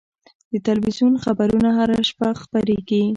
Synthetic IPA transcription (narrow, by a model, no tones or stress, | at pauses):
d̪ət̪alwizjunxabaɾunaɦaɾaʃpaxpaɾeɡi